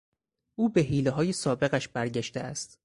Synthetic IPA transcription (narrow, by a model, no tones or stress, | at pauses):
ʔuːbeɦiːleɦɒːjesɒːbe̞ɣæʃbæɾɟæʃt̪eæst̪